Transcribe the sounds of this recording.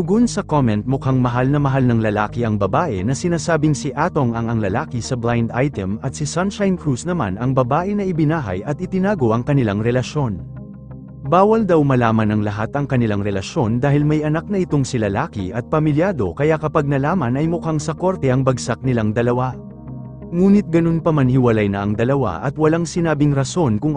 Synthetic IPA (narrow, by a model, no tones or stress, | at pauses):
d̪ʊɡonsɐkomɛnt̪̚mʊkaŋmɐɦalnɐmɐɦalnɐŋlɐlaːkɪɐŋbɐbaːʔɛ̰nɐsɪnaːsaːbɪŋsiʔat̪o̞ŋɐŋɐŋlɐlaːkɪsɐblajnd̪ajt̪ɛmɐt̪̚sɪsɐnʃajnkɾusnɐma̰nɐŋbɐbaːʔɛnɐʔɪbɪnaːɦɐ̰jʔɐt̪̚ʔɪt̪ɪnaːɡo̞ʔɐŋkɐnɪlaŋɾɛlɐʃo̞n | baːwɐld̪awmɐlaːmɐnɐŋlɐɦat̪ɐŋkɐnɪlaŋɾɛlɐʃo̞nd̪aːhɪlmɐjʔɐnak̚nɐɪt̪o̞ŋsɪlɐlaːkɪ̰ʔɐt̪̚pɐmɪljaːd̪o̞̰kɐjakɐpɐɡ̚nɐlaːmɐnɐjmʊkaŋsɐko̞ɾt̪ɛʔɐŋbɐɡsak̚nɪlaŋd̪ɐlɐwa | ŋuːnɪt̪̚ɡɐno̞npɐmanhɪwɐlajnɐɐŋd̪ɐlɐwa̰ʔɐ̰t̪wɐlaŋsɪnaːbɪŋɾɐso̞nkʊŋ